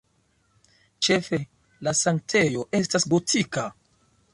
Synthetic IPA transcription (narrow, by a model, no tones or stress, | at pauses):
t͡ʃe̞fe̞ | lasaŋk̚tʰe̞jo̞ʔe̞stasɡo̞tʰika